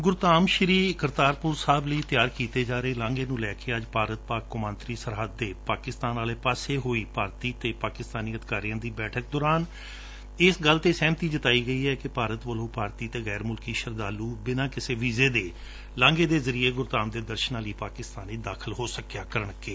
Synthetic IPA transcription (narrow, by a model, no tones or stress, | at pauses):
ɡʊɾt̪aːmʃɾiːkəɾt̪aːɾpʊɾsaːbləiːt̪jaːɾkiːt̪eːd͡ʒaːɾeːlãːŋɡeːnũːlɛːkeːəd͡ʒpaːɾət̪̚paːkːʊmə̃nt̪ɾiːsəɾɦəd̪ːeːpaːkɪst̪aːnaːleːpaːseːɦoːiːpaːɾt̪iːt̪eːpaːkɪst̪aːniːəd̪kaːɾijãːd̪iːbɛːʈʰək̚d̪ɔːɾaːn | ɪsɡəlt̪eːsɛ̃ːmt̪iːd͡ʒət̪aːiːɡəiːɛːkɪpaːɾət̪ʋəlõːpaːɾt̪iːt̪eːɣɛːɾmʊlkiːʃəɾd̪aːluːbɪnãːkɪseːʋiːzeːd̪eː | lãːŋɡeːd̪eːzəɾiːeːɡʊɾt̪aːmd̪eːd̪əɾʃənãːliːpaːkɪst̪aːniːd̪aːkʰəlɦoːsəkjaːkəɾəɳkeː